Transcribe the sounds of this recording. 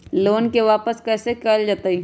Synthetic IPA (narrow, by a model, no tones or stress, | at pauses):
loːnkeʋaːpəskɛːsekəld͡ʒaːt̪ai